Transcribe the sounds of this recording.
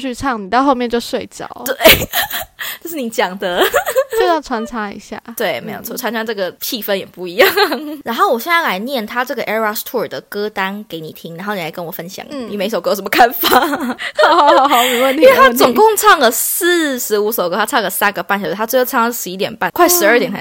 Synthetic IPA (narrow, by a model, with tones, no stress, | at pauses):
t͡ɕʰy˥˧t͡sʰɑ˥˩ŋni˨˩t̪ɑ˥˧ʊxo˥˧ʊmjɛ˥˧nt͡ɕjo˥˧ʊswe˥˧ɪt͡ɕjɑ̰˨˩˦ʊt̪we˥˩ɪ | t͡ɕjʂ̬ɻ̩˥˩ni˨˩t͡ɕjɑ˨˩ŋd̪ə˩˦t͡ɕo˥˧ʊjɑ˥˩ʈ͡ʂʰwa˧˥nt͡sʰa˥ḭ˧˥ɕja̰˥˩t̪we˥˩ɪme˧˥ɪjo̰˨˩ʊt͡sʰwɔ˥˩a˦nʂɑ˥ŋʈ͡ʂɤ˥˩ɡə˩t͡ɕʰi˥˧fə˥njɛ˨˩pu˥˩i˧˥jɑ˥˩ŋɻa˧˥nxo˥˩ʊwɔ˨˩ɕjɛ˥˧nt͡sa˥˩la˧˥ɪnjɛ˥˩nt̪ʰa˥ʈ͡ʂɤ˥˩ɡə˩˨ʔɛ˥˧a˥st̪ʰu˥˩ə˞˨˩d̪ə˩kɤ˥t̪a˥nke˧˥ɪni˨˩t̪ʰi˥ŋɻa˧nxo˥˩ni˨˩la˧˥ɪkə˦nwɔ˨˩fə˦nɕjɑ̰˨˩˦ŋni˨˩me˧˥ɪs̬kmə˦kʰa˥˧nfa˨˩˨ | hɑ˨˦hɑ˨˩ʊxɑ˨˩˦me˧˦wə˥˩nʰi˥we˥˧t̪ʰa˥˧t͡sʊ˨˩ŋkɔ˥˧ŋʈ͡ʂʰɑ˥˩ŋlə˩s̩˥˨ʂɻ̩˧˥u˧˥so˨˩ʊkə˧˥˩a˥ɑ˥˩ŋɡə˩sa˦˥nɡə˨pa˥˩nɕj̪ʰa˥ʈ͡ʂ̩˥˧jʰɑ˥˩ŋə˥˩ʂɻ̩˧˥i˧˥t̪jɛ˨˩npa˥˩˨kʰwa˥˩ɪʂɻ̩˧˥ə˥˩t̪jɛ˨˩nʰ˥